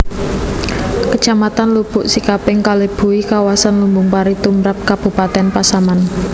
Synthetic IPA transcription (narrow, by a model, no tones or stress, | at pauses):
kə̥ʒ̥amat̪anlub̥ʊʔsikapɪŋkaleb̥ṳikawasanlumbʊŋpaɾit̪umɾap̚kab̥ṳpat̪ɛnpasaman